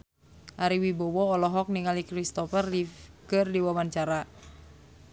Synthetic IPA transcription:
ʔaɾiwibɔwɔːlɔɦɔk̚niŋalikrist̪ɔfərikɨrdiwawant͡ʃaɾa

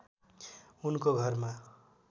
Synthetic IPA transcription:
unkoɡʱʌrma

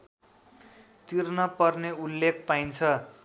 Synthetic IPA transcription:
t̪irnʌpʌrneulːek̚ʰpajnt͡sʰʌ

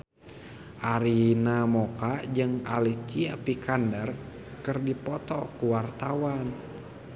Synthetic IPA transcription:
ʔaɾinamɔkad͡ʒɨŋa̰likiapikandər | kɨrdipɔt̪ɔkuwart̪awan

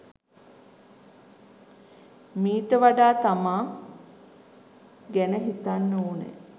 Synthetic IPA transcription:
miːʈəʋaɖaːt̪amaː | ɡænəɦit̪anːuːnḛ

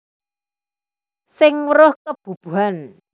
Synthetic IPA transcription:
sɪŋwɾʊhkəb̥ṳb̥uɦan

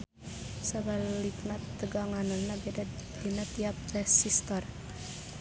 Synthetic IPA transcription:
saballiknat̪ːəɡaŋanənːabd̪̥inət̪iap̚rɛsist̪ɔr

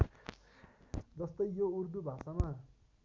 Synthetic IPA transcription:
d͡zʌst̪ʌjjourd̪ubʱasama

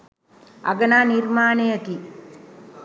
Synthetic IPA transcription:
ɐ̰ɡənaːnirmaːnejət̪i

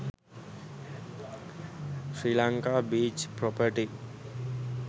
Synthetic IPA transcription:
sɾilaŋkabid͡ʒpɾɔpəʈi

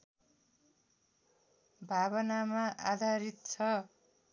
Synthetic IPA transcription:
bʱabʌnamaʔad̪ʱaɾit̪̚t͡sʰʌ

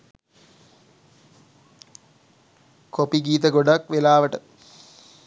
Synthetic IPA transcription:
kopiɡiːt̪̬əɡoɖakʋelaːʋəʈə

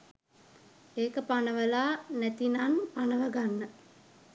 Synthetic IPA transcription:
eːkəpanəʋəlaːnæt̪inanpanəʋəɡanːə

